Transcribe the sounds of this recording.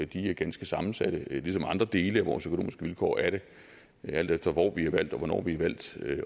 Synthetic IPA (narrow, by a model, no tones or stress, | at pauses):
d̥iæɐɡ̥ænsɡ̥əsɑ̈mn̩sæd̥əlisɒ̽mɑ̈nd̥ʁɐd̥e̝ːləæʋɒ̰ːsøkono̝ːmisɡ̥əʋilkʰɒ̰ːæɐɾ̥e̝ | æl̰d̥efd̥ɐʋɒ̰ːʋihɑ̈ʋæl̰d̥ɒ̽ʋɒnɒ̰ːʋiɑʋæl̰d̥